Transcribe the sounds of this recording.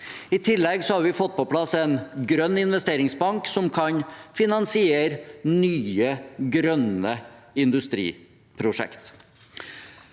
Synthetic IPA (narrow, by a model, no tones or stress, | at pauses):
ɪt̪ʰɪlːɛɡsɔhɑɾʋɪfɔt̪̚ːpɔpʰlɑsɛnɡɾœnːɪnʋɛst̪eːɾɪŋsbɑŋksɔmkʰɑɲfɪnɑnsɪeːɾnyːəɡɾœnəɪnd̪ʉst̪ɾḭː | pʰɾʊʂɛ̰kt̪